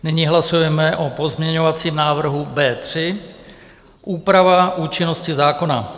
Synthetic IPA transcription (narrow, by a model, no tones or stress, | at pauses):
nɪɲiɦlasujɛmɛʔopo̞zmɲɛɲo̞vat͡siːmnaːvr̩ɦubɛːt̪r̝̥ɪ | ʔuːpɾavaʔuːt͡ʃɪno̞scɪzaːko̞na̰